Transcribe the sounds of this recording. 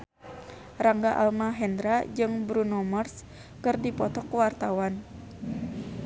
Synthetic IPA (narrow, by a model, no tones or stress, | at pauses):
raŋɡaʔa̰lmaɦɛnd̪ɾad͡ʒɨŋbɾunɔmərs | kɨrdipɔt̪ɔkwart̪awan